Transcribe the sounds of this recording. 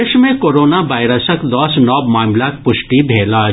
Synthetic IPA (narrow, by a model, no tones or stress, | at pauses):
ɪʃmẽkoːɾoːnaʋaːɪɾəsəkd̪ɔːsnɔːbmaːmlak̚pʊʃʈibʱeːla